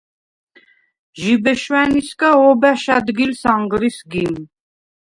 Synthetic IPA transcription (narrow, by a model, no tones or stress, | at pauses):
ʒibɛʃwæniskʼaɔbæʃad̪ɡilsaŋɡɾisɡim